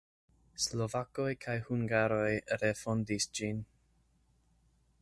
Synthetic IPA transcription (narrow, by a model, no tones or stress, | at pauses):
slovako̞jkʰajhuŋɡaɾo̞jɾe̞fondisd͡ʒin